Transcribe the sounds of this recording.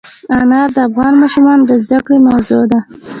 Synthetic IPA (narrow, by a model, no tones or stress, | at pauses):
anɑɾd̪əafɣɑnmɑʃumɑnd̪əzd̪akɽemawzod̪a